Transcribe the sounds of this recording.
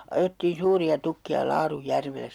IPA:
ɑjetːiːn̞ suːriɑ tukːiɑ lɑːrujːærʋelˑes

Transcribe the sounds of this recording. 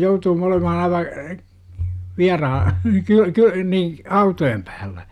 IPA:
joutuːm olemɑhɑ ɑiʋɑ ʋiɑrɑhɑ kyø kyø niː ɑutojem pæːlːæ

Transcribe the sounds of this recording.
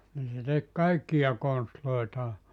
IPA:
niː se tek kɑikːijɑ konstloitɑː

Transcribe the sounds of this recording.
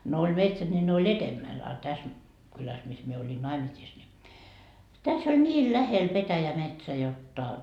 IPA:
no olʲ metsæt nʲi ne olʲ etemːæl ɑ tæs kylæs mis mie olʲin nɑimisiːs ni tæs ol nʲiːl læhel petæjæmetsæ jotːɑ

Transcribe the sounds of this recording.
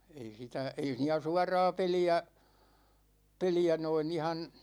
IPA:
ei sitæ ei siːnæ suɑrɑː peliæ peliæ noin ihɑn̞

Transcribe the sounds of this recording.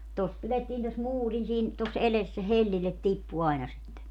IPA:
tos piletːiːn tos muːrin siːn tos eles se helːilːet tipːu ɑinɑ sitːe

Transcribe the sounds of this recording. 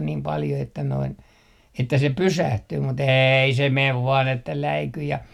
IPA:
niːm pɑljo etːæ noin etːæ se pysæhtyː mut eːi se meʋ ʋɑːn etːæ læiky jɑ

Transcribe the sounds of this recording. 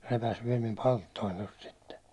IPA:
repæs ʋiɛl mim pɑltːoin tost sitːe

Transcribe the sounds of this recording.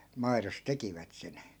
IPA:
mɑiros tekiʋæt sen

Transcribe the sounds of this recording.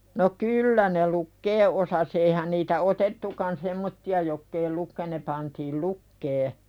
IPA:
no kyːlːæ ne lukːeː ʔosɑs eihæn niːtæ otetːukɑn semːotːiɑ jokː ei lukːe ne pɑntiːl lukːeː

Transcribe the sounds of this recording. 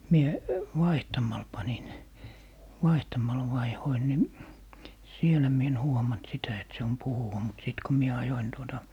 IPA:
mie ʋɑihtɑmɑl pɑnin ʋɑihtɑmɑl ʋɑihoin ni sielæ mie en huomɑnt sitæ et se on puhuwɑ mut siˑt ko mie ɑjoin tuotɑ

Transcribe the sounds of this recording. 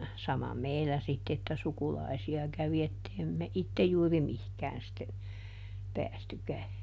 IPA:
sɑmɑ meilːæ sitː etːæ sukulɑisiɑ kæʋi etːei me itːej juːri mihkæːn sitːe pæːstykæ

